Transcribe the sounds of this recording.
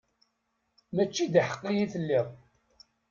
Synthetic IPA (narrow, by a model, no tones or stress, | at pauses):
mæt͡ʃːid̪iħə̥qːijiθəlːiʁˤ